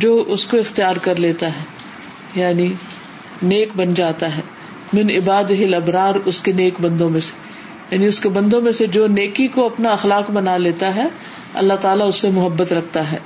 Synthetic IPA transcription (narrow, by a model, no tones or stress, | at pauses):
d͡ʒoːʔʊskoɪxt̪ijaːɾkɐɾleːt̪aɦɛː | jaːni | neːkbɐnd͡ʒaːt̪aɦɛː | mɪnɪbaːd̪ɪɦɪlɐbɾaːɾʊskeneːkbɐ̃nd̪õmẽse̥ | jaːniʊskebɐ̃nd̪õmẽsed͡ʒoːneːkikoɐpnaɐxlaːkbɐnaleːt̪aɦɛː | ɐ̰lːat̪aːlaʊsːemʊɦəbːət̪ɾɐk̚ʰt̪aɦɛː